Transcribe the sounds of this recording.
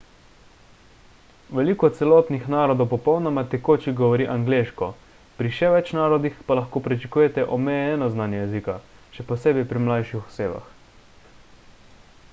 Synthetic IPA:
ʋɛliːkɔt̪t̪sɛlɔːt̪nixnaːɾɔd̪ɔwpɔpɔwnɔmat̪ɛkoːt͡ʃiɡɔʋɔɾiːʔaŋɡleːʃkɔ | pɾiʃɛʋɛt͡ʃnaːɾɔd̪ixpalaxkoːpɾit͡ʃɛkuːjɛt̪ɛʔɔmɛjɛnɔznaːnjɛjɛzikaʃɛpɔseːbɛjpɾimlajʃixɔ̥seːba̰x

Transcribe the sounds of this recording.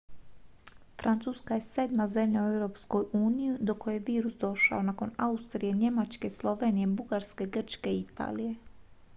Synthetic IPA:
fɾʔant̪suːskajese̞ːd̪maze̞mʎauewɾo̞ːpsko̞juːnijud̪oko̞jeʋiːɾusd̪o̞ʃa̰o̞nako̞naust̪ɾije̞ɲe̞mat͡ʃke̞slˠo̞ʋe̞ːnijebuɡaɾske̞ɡr̩t͡ʃke̞it̪a̰ːlije̞

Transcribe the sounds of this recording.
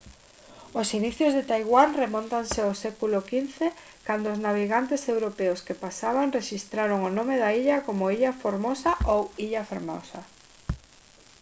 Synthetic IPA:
osiniθjozðet̪ajɣwanremõnt̪anseosɛkulokinθe | kand̪oʊznaβiɣant̪esewɾopeʊskepasaβaŋreʃist̪ɾaɾoŋonomeðaiʎakomoiʎafoɾmosaʔowiʎafeɾmo̰sa

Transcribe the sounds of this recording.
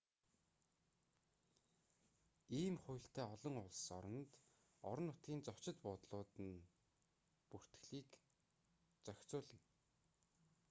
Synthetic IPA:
iːmχʊjɬt̪æːɔɮɞ̆ŋʊɮsɔɾɞ̆nt̪ | ɔɾɞ̆nːʊt̪ɡʲiːnt͡sɔ̥t͡ɕɪ̆t̪pʊt̪ɮʊːt̪ɘ̆n | pur̥t̪̆ɮiːk | t͡sœkt͡sʊːɮɘ̆ŋ

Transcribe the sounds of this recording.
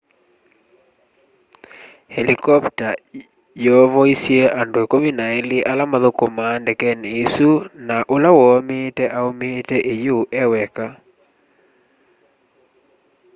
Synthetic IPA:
helikɔpta | jɔvɔisjeandoekominaeliʔalamaðokomandɛkɛnesunaʔolawɔmetɛʔaometɛʔejoʔɛwɛka

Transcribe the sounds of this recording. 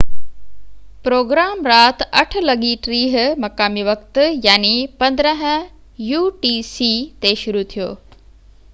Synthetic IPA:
pɾoːɡɾaːmɾaːt̪ɐʈʰʊ̆lɐɠiʈɾiːɦ̆mɐkaːmiʋɐkt̪jaːnipɐ̃nd̪ɾəɦə̃̆ | juːʈiːsiːt̪eʃʊɾut̪ʰijo̰ː

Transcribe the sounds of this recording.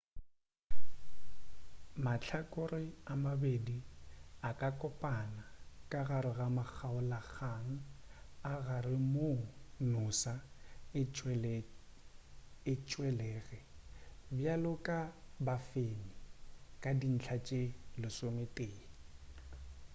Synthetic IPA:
mat͡ɬʰakʼʊrɪamabediakʼakʼɔpʼanakʼaɣaɾɪɣamak͡xʰaʊlak͡xʰaŋ̩ | aɣarɪmonʊsaɪt͡ʃʼɛl | ɪt͡ʃʼwɛlɛːɣɛbjalʊkʼabafenikʼadin̩t͡ɬʰat͡ʃʼelɪsometʼeː

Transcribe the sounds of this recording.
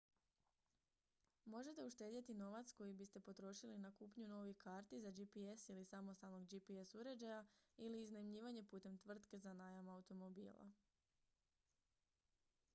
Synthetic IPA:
mo̞ʒe̞t̪e̞uʃt̪e̞d̪jet̪ino̞ʋat̪sko̞jibist̪e̞po̞t̪ɾo̞ʃilinakuːpɲuno̞ːʋikaːɾt̪izad͡ʒipiesilisamo̞st̪alˠno̞ɡd͡ʒipiesuɾe̞d͡ʑajailiːznemʎiːʋaɲe̞puːt̪e̞mt̪ʋr̩t̪ke̞zanajamaut̪o̞mo̞bḭːla̰

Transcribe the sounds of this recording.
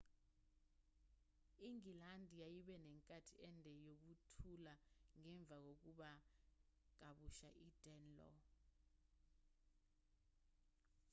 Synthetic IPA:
iŋilandʱijajiɓɛnɛŋkʼatʰiɛndʱɛjok̬utʰulaŋɛɱb̪vʱak̬ok̬uɓa | k̬aɓuʃa̰ʔid̥ʱɛnlɔ̰

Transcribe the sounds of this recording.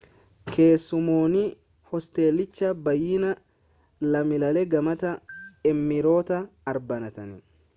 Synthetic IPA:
kʰe̞ːsːʊmoːnɪ | hɔst̪e̞ːlːɪt͡ʃːɐbɐjɪnɐ | lɐmɪlɐlɛɡɐmɐt̪ɐɛmːɪɾo̞ːt̪ɐːɾbɐnɐt̪ɐnɪ

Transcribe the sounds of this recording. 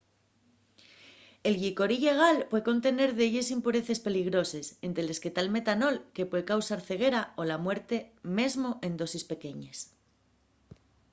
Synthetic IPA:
e̞lɣiko̞ɾiʎe̞ɣ̞alpweeko̞nt̪e̞ne̞ɾðeʎe̞simpuɾe̞θe̞spe̞liɣ̞ɾo̞se̞sent̪ɾele̞ske̞t̪alme̞t̪ano̞lke̞pwe̞ðekawsaɾθe̞ɣ̞e̞ɾao̞lamwe̞ɾt̪e̞me̞zmo̞ʔe̞nd̪o̞sispe̞ke̞ɲes

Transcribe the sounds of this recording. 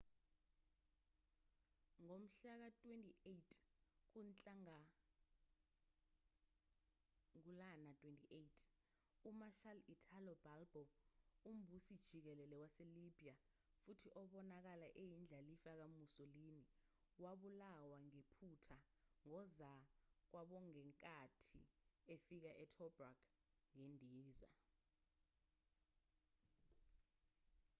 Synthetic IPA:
ŋom̩ɬak̬atʼwentʼietʰk̬unt͡ɬʼaŋa | ŋ̬ulanatʼwentʼiʔejtʰ | umaʃalitʰalɔb̥ʱalb̥ʱɔum̩bʱusid̥ʒ̥ʱik̬ɛlɛlɛwaselib̥ʱija | futʰiʔɔɓɔnak̬alaʔejind͡ɮʱalifak̬amusolini | waɓulawaŋepʰutʰaŋɔzak̬waɓɔŋɛŋkʼatʰḭefik̬aʔɛtʰɔb̥rakʰ | ŋendʱiːza̰

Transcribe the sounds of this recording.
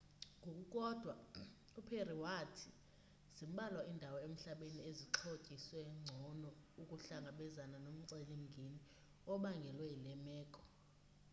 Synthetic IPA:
ŋɡʱokʼukʼɔd̥ʱwa | upʰeriwatʰi | z̥im̩ɓalwaʔindʱawɔem̩ɬaɓenieziǁʰocʼiswɛŋ͡ǀʱɔnɔukʼuɬaŋɡʱaɓɛzananom̩ǀelim̩ŋɡʱini | ɔɓaŋɡʱɛlwɛilɛmɛːkʼɔ̥

